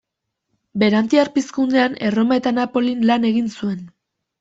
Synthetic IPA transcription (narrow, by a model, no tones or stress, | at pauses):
be̞ɾant̪iaɾpiskund̪e̞ane̞ro̞mae̞t̪anapo̞linlane̞ɣinsue̞n